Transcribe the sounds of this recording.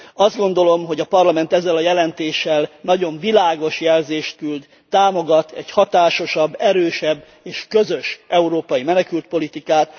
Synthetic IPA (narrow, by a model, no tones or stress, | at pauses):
ɒzd̪ɡo̞nd̪o̞lo̞mɦo̞ɟɒpɒrlɒmɛnt̪ɛzːɛlɒjɛlɛnt̪eːʃːɛlnɒɟo̞ɱvilaːɡo̞ʃjɛlzeːʃt̪̚kyld̪ | t̪aːmo̞ɡɒt̪ʰɛ̰ɟhɒt̪aːʃo̞ʃɒbːɛɾøːʃɛbː | eːʃkø̞zø̞ʃʔɛuɾoːpɒjimɛnɛkylt̪̚po̞lit̪ikaːt̪